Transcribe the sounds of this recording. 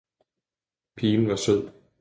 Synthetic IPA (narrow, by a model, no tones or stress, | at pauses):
pʰiːn̩ʋɑ̈søð̰ˠ